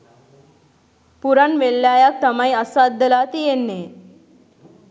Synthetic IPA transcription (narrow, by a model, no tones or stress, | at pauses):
puɾanʋelːjajak̚t̪əmaiəsad̪ːəlat̪ijenːe